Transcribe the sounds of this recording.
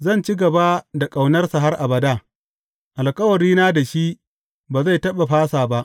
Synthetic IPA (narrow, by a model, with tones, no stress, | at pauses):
zɐ˦˨nt͡ʃi˦ɡɐ˨ba˦da˨kʼa˨wnɐ˦rsa˨ɦa˦rʔa˨bɐ˨daː˦ | ʔa˨lkʼɐ˦wɐ˨ɾiː˦naː˦da˨ʃi˦ | baː˨za˦˨jtɐ˦ɓa˨ɸaː˦saː˨ba˦ʔ